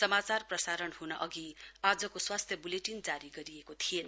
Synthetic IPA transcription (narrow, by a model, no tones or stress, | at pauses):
sʌmat͡sarprʌsaɾʌnɦunʌʔʌɡiad͡zʌkoswast̪ʰjʌbuleʈind͡zaɾiɡʌɾiekot̪ʰien